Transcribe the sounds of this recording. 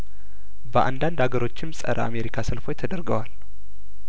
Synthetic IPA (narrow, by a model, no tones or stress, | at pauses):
bəʔa̰nd̪and̪haɡəɾo̞t͡ʃːɪmsʼə̰ɾʔəa̰me̞ɾikʰasɨlfo̞jt̪ʰəd̪əɾɡəwal